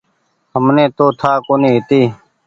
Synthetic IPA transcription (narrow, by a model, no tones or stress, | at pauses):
həmnẽːt̪oːt̪ʰaːkoːnĩːɦɪt̪iː